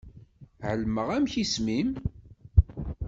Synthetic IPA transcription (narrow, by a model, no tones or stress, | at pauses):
ʕəlməʁæmçismim